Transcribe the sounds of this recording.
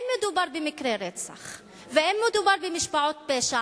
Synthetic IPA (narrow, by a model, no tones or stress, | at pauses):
mːed̪ubaɾbemɪkɾeɾet͡sa̰χ | veʔemːed̪ubaɾbemɪʃbaʕot̪̚peʃa